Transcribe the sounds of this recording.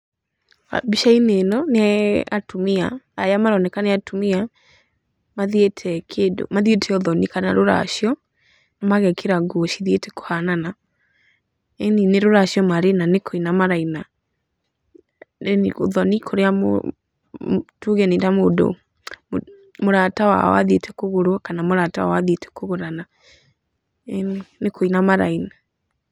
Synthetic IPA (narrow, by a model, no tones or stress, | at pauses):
a̰biʃainenɔneaa̰tomeaajamaɾɔnɛkaneatomea | maðetʰɛkʰedo̰maðietʰɛoðɔnikanaɾoɾa̰ʃjɔ | namaɣɛkʰeɾaɡoʃiðietɛko̥hanana | ɛnineɾoɾaʃjɔmaɾenanekʰoinamaɾaina | o̰ðɔnikʰoɾeamo̰ | tuɣɛnetamodo̰ | moɾatawa̰ɔ̰wa̰ðetɛkoɣoɾwakanamoɾatawa̰waðietɛ̥koɣoɾana | nekʰoinamaɾa̰ina